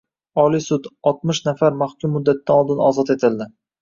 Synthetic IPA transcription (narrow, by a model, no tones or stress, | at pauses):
ɒlijsʊd̪ɒt̪̚mɪʃnafaɾmaχkʲʊmːʊd̪ːat̪̚ːd̪anɒlˠd̪ɪnɒzɒt̪e̞t̪ʰɪld̪ɪ